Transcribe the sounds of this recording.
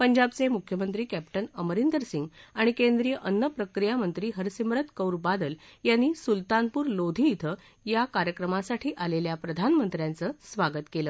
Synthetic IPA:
pəɲd͡ʑabt͡semukʰjəmənt̪ɾiːkæpʈənəməɾind̪əɾsiŋɡaɽ̃ikẽnd̪ɾijəʔənːəpɾəkɾijamənt̪ɾiːɦəɾsimɾət̪kəwɾbad̪əljanːiːsult̪anpuːɾlod̪ʱiːt̪ʰə | jakaɾjəkɾəmasaʈʰiːʔaleljapɾəd̪ʱanmənt̪ɾjãnt͡səːsʋaɡət̪keləː

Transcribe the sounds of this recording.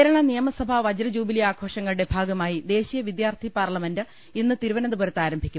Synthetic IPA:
ɾɐɳɐnijɐmɐsɐbʱɐʋɐd͡ʑɐɾɐd͡ʑuːbilijaːkʰo̞ːʂɐŋːɐɭuɽe̞bʱaːɡɐmaːjid̪e̞ːɕijɐʋid̪jaːrt̪ʰipaːrlɐmendɨ | inːɨt̪iɾuʋɐnɐnd̪uboːɾɐt̪ːaːɾɐmbʱikʲːum

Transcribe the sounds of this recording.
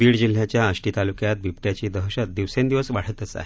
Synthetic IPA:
biːɽd͡ʑil̤ːjat͡ɕjaəɕʈiːt̪alukjat̪̚bʱipt̪jat͡ɕiːd̪əɦəɕat̪̚d̪iʋsẽnd̪iʋəsʋaɽ̤ət̪əsa̰ɦe

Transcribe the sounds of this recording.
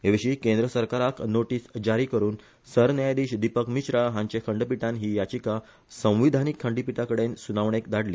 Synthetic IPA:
ɦeʋiɕiːkẽnd̪ɾəsəɾkaɾaknoʈiːsd͡ʑaɾiːkəɾuːn | səɾnjajd̪iːɕd̪ipəkmiɕɾaɦãɲt͡ɕekʰəɳɖpiʈãnɦiːjat͡ɕika | sə̃w̃ʋid̪ʱanikʰːəɳɖipiʈakəɽensunaʋɳekd̪aɽliː

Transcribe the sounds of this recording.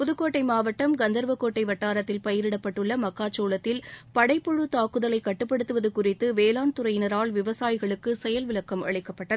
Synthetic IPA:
pʊðɯkːoːʈːɐɪmaːʋɐʈːɐmɡɐnd̪ɐɾʋɐkːoːʈːɐɪʋɐʈːaːɾɐt̪ːɪlpɐjɪɾɪɽɐpːɐʈːɯɭːɐmɐkːaːt͡ʃːoːlɐt̪ːɪlpɐɽɐɪpːɔɻɯt̪aːkɯðɐlɐɪkɐʈːɯpːɐɽɯt̪ːɯʋɐðɯkʊrɪt̪ːɯʋeːlaːnt̪ʊɾɐjɪnɐɾaːɭʋɪʋɐsaːjɪɣɐɭɯkːɯsɛjɐlʋɪɭɐkːɐmʔɐ̰ɭɪkːɐpːɐʈːɐð

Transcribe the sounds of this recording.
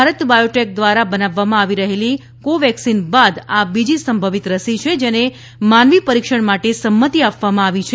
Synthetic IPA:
aɾət̪bajoʈek̚d̪ʋaɾabənaʋːamãaʋiɾəɦeli | koʋɛksinbad̪abid͡ʒisəmbʱəʋit̪ɾəsit͡ʃʰed͡ʒene | manʋipəɾikʃəɳmaʈesəmːət̪iapʋamãaʋit͡ʃʰe

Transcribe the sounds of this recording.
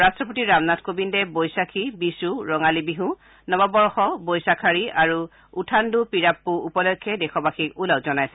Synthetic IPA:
ɹastɹɔp̬otiɹamnatʰkobindɛbojsakʰibisuɹɔŋalibiɦũ | nɔbabɔɹɔxɔbojsakʰaɹiaɹu | utʰandupiɹapːuupɔlɔkʰːɛdexɔbaxikulawzɔnajsɛ

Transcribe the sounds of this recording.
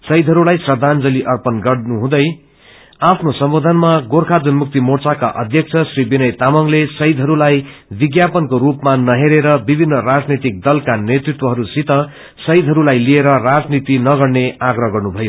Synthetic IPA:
sʌjd̪ʱɦʌɾulajsrʌd̪ʱand͡zʌliʔʌrpʌnɡʌɽnuɦũd̪ʌj | apʰnosʌmbod̪ʱʌnmaɡorkʰad̪unmuk̚t̪imort͡saka̰ʔʌ̰d̪ʱjʌk̚t͡sʰʌsribinʌjt̪amʌŋlesʌjd̪ʱɦʌɾulajbiɡjapʌnkoɾupmanʌɦeɾeɾʌbibʱinːʌrad͡znʌt̪ik̚d̪ʌlkanet̪rit̪wʌɦʌɾusit̪ʌ | sʌjd̪ʱɦʌɾulajlieɾʌrad͡znit̪inʌɡʌɽneaɡrʌɦɡʌrnubʱʌjo

